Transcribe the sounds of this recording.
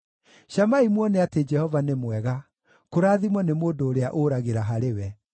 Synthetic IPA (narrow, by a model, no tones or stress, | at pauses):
ɕamaimwɔneated͡ʒɛhɔvanemwɛɣa | koɾaːðimwɔnemoːdoːɾeaʔoɾaɣeɾaɦaɾewɛ